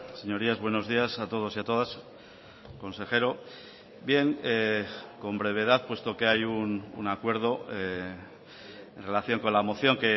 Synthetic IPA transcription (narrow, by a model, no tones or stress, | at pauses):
se̞ɲo̞ɾiazβwe̞no̞zðiasat̪o̞ð̞o̞siat̪o̞ð̞as | ko̞nse̞xe̞ɾo̞ | bje̞ŋeko̞mbɾe̞β̞e̞ð̞aðpwe̞st̪okeajunṵnakwe̞ɾð̞o̞ | enre̞laθjo̞ŋko̞nlamo̞θjo̞ŋke̞